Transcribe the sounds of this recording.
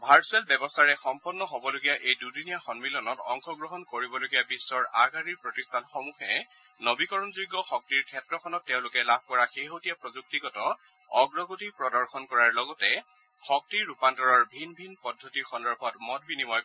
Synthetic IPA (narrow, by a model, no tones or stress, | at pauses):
bʱaɹsuɛlbɛbɔstʰaɹɛxɔmpɔnːɔɦobɔloɡijaʔejdudunijaxɔnmilɔnɔtɔ̰ŋxɔɡɹɔɦɔnkoɹibɔloɡijabisːɔɹaɡaɹiɹpɹɔtistʰanxɔmuxɛ | nobikɔɹɔnzuɡːɔxɔk̚tiɹkʰɛtɹɔkʰɔnɔtːeʊ̃lʊkɛlab̚ʱkɔɹaxeɦotijapɹɔzuk̚tiɡɔtɔ | ɔɡɹɔɡotipɹɔdɔɹxɔnkɔɹaɹlɔɡɔtɛ | xɔk̚tiɹːupantɔɹɔɹbʱinbʱinpɔdʱːotixɔndɔɹbʱɔtmɔt̚binimɔj